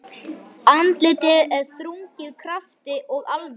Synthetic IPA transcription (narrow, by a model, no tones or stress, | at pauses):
ant̪lɪːt̪ɪðɛɾ̥θɾuɲcɪðkʰɾaft̪ɪʔɔɣalv